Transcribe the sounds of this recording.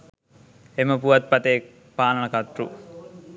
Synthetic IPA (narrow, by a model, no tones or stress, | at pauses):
eməpuʋat̪̚pat̪ek̚ | paːnɐnəkat̪rṵ